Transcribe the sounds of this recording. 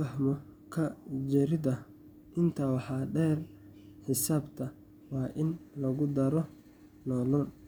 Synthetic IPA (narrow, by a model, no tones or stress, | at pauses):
fɐɦmɔkʰɐd͡ʒɛɾɪðɐ | ʔɪnt̪ʰɐwɑħɑːɖɛːr | ħɪsaːbt̪ʰɐ | wɑːʔɪnlɐɣʊd̪ɐɾɔ | nɔːlɔn